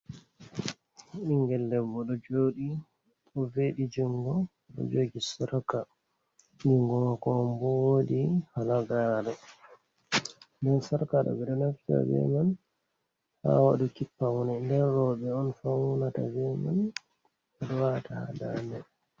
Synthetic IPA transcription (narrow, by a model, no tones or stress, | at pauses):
ʔiŋɡɛlːɛbɔɗɔd͡ʒoːɗi | ɗɔveɗid͡ʒuŋɡɔ | ɗɔ̰d͡ʒoːɡisaɾka | niŋɡɔmakɔmbɔwodihalaɡaɾɛ | ndɛnsaɾkaɗɔ̰bɛɗɔnafta̰bɛ̰man | ha̰waɗukipːawɔnɛndɛnɾɔɓɛɔnfawunatabɛma̰n | ɛɗɔwatahadandɛ